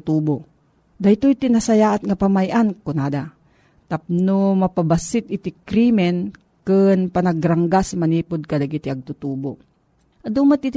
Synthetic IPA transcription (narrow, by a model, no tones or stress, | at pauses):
t̪uːbo | d̪ajt̪ojt̪ɪnasɐjaːʔat̪̚ŋɐpamajʔankʊnaːd̪a | t̪ap̚nomɐpabasɪt̪̚ɪt̪ɪkɾimɛn | kɨnpɐnɐɡɾaŋɡasmɐniːpʊd̪̚kɐd̪ɐɡit̪iɐɡ̚t̪ʊt̪uːbo | ʔɐd̪uːmat̪̚it̪